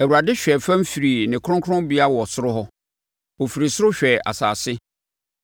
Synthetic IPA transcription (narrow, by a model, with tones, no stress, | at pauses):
æ˨wu˨ɾa˨dɪ˦ɕᶣɛ˨fã˦m̩˦fi˨ɾi˨nɪ̃˨kʰʊ̃˦ŋkʰʊ˦ɾʊ̃˦bi˦a˦wɔ˨sʊ˦ɾʊ˦ɦɔ˦ | o˨fi˨ɾi˨sʊ˦ɾʊ˦ɕᶣɛ˨a̰˨sa̰ː˨sɪ˦